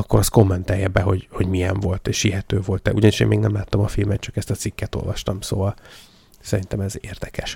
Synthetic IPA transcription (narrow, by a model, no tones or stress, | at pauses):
ɒkːo̞ɾɒst̪ko̞mːɛnt̪aːjɛbɛɦo̞ɟho̞ɟmijɛɱvo̞lt̪eːʃhiɦɛt̪øːvo̞lt̪ɛ̰uɟɒniʃḛːnmeːɡnɛmlaːt̪ːɒmɒfilmɛt̪̚t͡ʃɒkɛst̪ɒt̪sikːɛt̪o̞̰lvɒ̰ʃt̪ɒmso̰ːvɒl | sɛɾint̪ɛmɛzeːrd̪ɛkɛʃ